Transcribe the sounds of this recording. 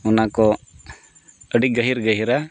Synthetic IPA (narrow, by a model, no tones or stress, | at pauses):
unakɔ | əɽiɡəɦiɾɡəɦiɾa